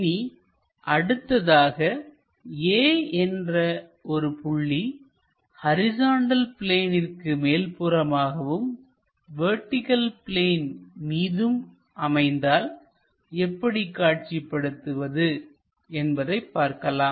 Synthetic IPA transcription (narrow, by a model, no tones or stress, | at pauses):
ni | ʔɐɽɯt̪ːɐðaːɣɐ | eːɛndrɐɔɾɯpʊɭːi | hɐɾɪsaːɳɖɐlpleːnɪrkɯmeːlpɯɾɐmaːɣɐʋɯm | ʋeːʈːɪkɐlpɪleːnmiːðɯm | ʔɐmɐɪnd̪aːl | ɛpːɐɽikːaːʈ̚t͡ʃipːɐɽɯt̪ːɯʋɐðɯ | ɛnbɐðɐɪpːaːɾkɐlaːm